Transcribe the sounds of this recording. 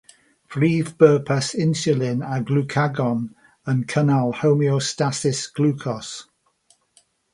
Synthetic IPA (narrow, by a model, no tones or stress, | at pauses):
b̥ɹiːvbɜːpʰəsɪnsjəlɪnaɡlukʰaɡɔn | ənkʰənalˠhowmiostasɪsɡ̥lukʰɔs